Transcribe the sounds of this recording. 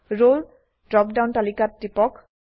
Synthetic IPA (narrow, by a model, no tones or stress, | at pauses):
ɹol | dɹɔp̚dawntalikatːipɔk